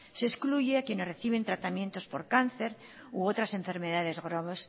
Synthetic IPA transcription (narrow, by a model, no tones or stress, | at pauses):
se̞skluʝeakjene̞zreθiβ̞e̞nt̪ɾat̪amjent̪o̞spo̞ɾkan̟θe̞ɾ | uot̪ɾasẽ̞ɱfe̞ɾmeðaðe̞zɣɾoβes